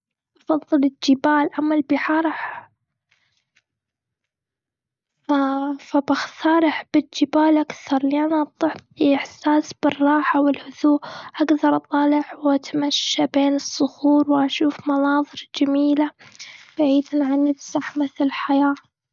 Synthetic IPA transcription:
ʔɑfɑðˤːɨlɪd͡ʒɪbaːlʔamːalbɪħɑːɾˤɑħ | afabaxt̪ʰɑːɾˤɪħbɪd͡ʒɪbaːlʔakθɑɾˤliʔanʔɑb̚t̪ˤːɨħiʔɪħsaːsb̥ɪrˤːɑːħawɪlhʊðuːʔʔaɡðɑɾˤʔɑt̪ˤɑːlɪħwʔat̪amaʃːabeːnɨsˤːʊxuːɾwʔaʃuːfmɑnɑːðˤɨɾd͡ʒamiːlab̥aʕiːd̪nʕanːɪfsaħmɪθlɪlħajaː

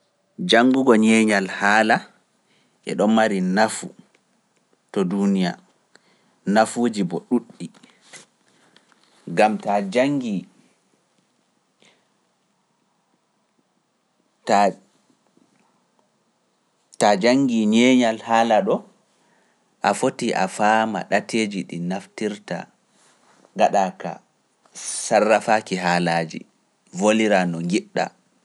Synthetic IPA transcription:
d͡ʒaŋɡuɡɔɲɛːɲalhaːla | ʔɛ̰ɗɔnmaɾinafu | tɔdunija̰ | nafoːd͡ʒibɔɗuɗːi | ɡamtad͡ʒaŋɡi | ta | tad͡ʒaŋɡiɲɛːɲalhaːlaɗɔ | ʔafotiʔa̰faːma̰ɗatʰeːd͡ʒiɗinaftiɾta̰ | ŋɡaɗaːka̰ | sarːafaːkiɦaːlaːd͡ʒḭ | voliɾanɔŋɡiɗːa̰

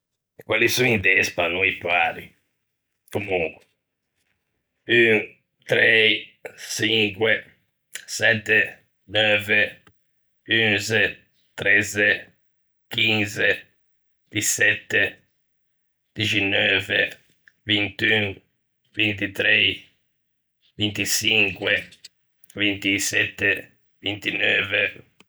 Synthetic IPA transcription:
ekwalisuŋid̪ɛspanuipaɾi | komuŋkwe̥ | yŋ | t̪ɾɛ | t͡ʃiŋkwe | sɛt̪ːe | nɔve | ynzɛ | t̪ɾɛze | k̟inze | d̪̥isɛt̪ːe | d̪̥it͡ʃɛnːɔːvḛ | vint̪yŋ | vint̪it̪ɾɛ | vint̪it͡ʃiŋkwe | vint̪isɛt̪ːe | vint̪inɔːve

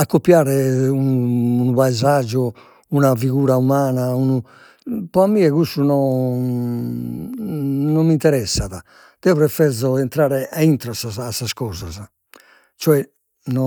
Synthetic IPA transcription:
akːopːjaːɾɛuuːnuβaɛzad͡ʒːɔ | unaviɣuːɾaumaːnaunu | pɔamːiːɛɣusunɔ | nɔmːint̪ɛɾɛsːaða | d̪̥ɛɔβɾɛfɛɾzɔɛnt̪ɾaːɾɛʔaint̪ɾɔasaasːaskɔːza̰z | t͡ʃɔɛ | nɔ

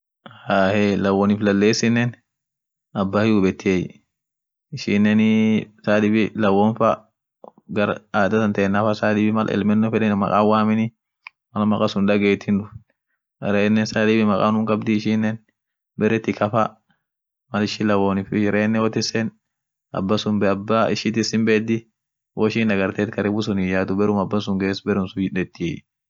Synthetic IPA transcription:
haːhɛlɐwonɪflɐlːeːsɪnːɛn | ɐbːaːhɪʊbɛt̪ːɪej | ɪʃɪnːɛnsaːd̪ɪbɪlɐwɔnfɐ | ɡɐɾaːd̪ɐt̪ɐnt̪ɐɛnːɐfɐsaːd̪ɪbɪmɐlʔɛ̰lmɛnːɔfɛᶑɛnmɐ̰kʼa̰ːwaːmɪnɪ | mɐlmɐkʼɐsʊnᶑ̪ɐɡeːt̪ʰɪnᶑdʊf | ɾeːnːɛnsaːd̪iːbɪmɐkʼa̰ːnʊmkʼɐbd̪ɪɪʃɪnːɛn | bɛɾɛt̪ːɪkɐfɐ | mɐlɪʃɪlɐwoːnɪfɪɾeːnːɛwɔt̪ɪsɛn | ɐ̰bːɐsʊmbɛɐbːɐɪʃɪt̪ɪsɪmbeːd̪ɪ | wɔɪʃɪːndɐɡɐɾt̪eːt̪kɐɾɛbʊsʊnɪd͡ʒaːt̪ʊbɛɾʊmɐbːɐsʊŋɡeːsbɛɾʊmsʊɪᶑɛt̪ːi

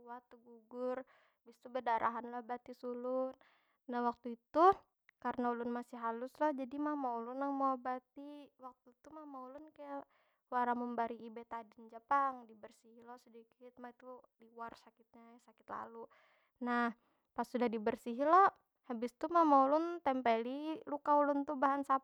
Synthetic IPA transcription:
uwat̪uɡuɡʊr | habɪst̪ubədaɾʔaɦanlahbat̪isulʊn | nahwak̚t̪uit̪u | kaɾənaulʊnmasɪɦalʊslahd͡ʒadimamaulʊnaŋmaabat̪iwak̚t̪uit̪umamaulʊnkaja | waɾaməmbaɾiːbet̪adɪnd͡ʒəpaŋdibərsiɦilɔsədikɪt̪̚mait̪uliwarsakɪt̪̚ɲasakɪ̥t̪la̰lu | nah | pasudahdibərsiɦilɔh | habɪst̪umamaulʊnt̪ɛmpelilukaulʊnt̪ubaɦansa

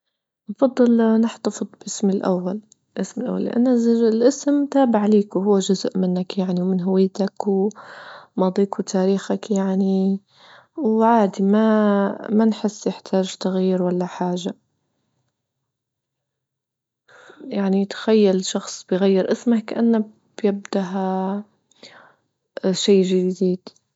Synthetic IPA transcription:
nɑfɑd̪ˤːɨlnɪħt̪ɑfɨd̪ˤbʔɪsmɪlʔa̰wːal | ʔɪsmɪlʔa̰wːa̰lːɪʔa̰nːaɪlʔɪsmt̪aːbaʕleːkwɦʊwːad͡ʒʊzʔmɪnːakjaʕniwmɪnɦʊwɪjːt̪akw | mɑd̪ˤiːkuwt̪ʰaːɾiːxakjaʕni | wʕaːd̪imamanħɪsːjɪħt̪ʰaːʒt̪ɑɣiːɾwalːaħaːʒa | jaʕnit̪xajːalʃɑxsˤb̥ɪjɣajːɪɾʔɪsmakkaʔanːa | b̥jabd̪aɦa | ʃaːʒɪd̪iːd̪̥

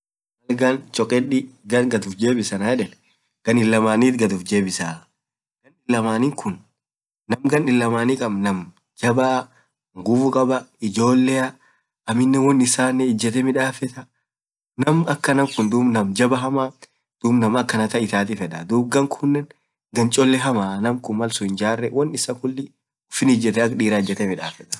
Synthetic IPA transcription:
mɐlɡɐnt͡ʃʼɔkʼɛᶑɪɡɐnɡɐt̪ʊfd͡ʒe̞ːbɪsɐnɐjɛᶑɛl | ɡ̥ɐnɪlːɐmaːniːt̪ɡɐt̪ʊfd͡ʒe̞ːbɪsaː | ɡ̥ɐnɪlːɐmaːnɪŋkʰʊnː | ɐmɡɐnɪlːɐmaːnikʼɐbnɐm | d͡ʒɐbɐ | ŋɡʊfʊkʼɐbɐɪd͡ʒo̞ːlːɛɐ | ɐmɪnːɛwɔnːɪsaːnːɛɪd͡ʒːɛt̪ɛmɪᶑaːfɛt̪ɐ | nɐmɐkːɐnɐŋkʊnd̪uːbnɐmd͡ʒɐbɐɦɐmaː | d̪̥uːbnɐmɐkːɐnɐt̪ɐɪt̪aːt̪ifɛᶑɐd̪uːb̚ɡɐŋkʰʊnːɛn | ɡɐnt͡ʃʼɔlːɛɦɐmaːnɐmkʊnmɐlsʊhɪnd͡ʒaːrːɛwɐnːɪsɐkʊlːɪ | ʊfɪnɪd͡ʒːɛt̪ɛɐkᶑiːɾaːɪd͡ʒːɛt̪ɛmɪᶑaːfɛt̪ɐ̥

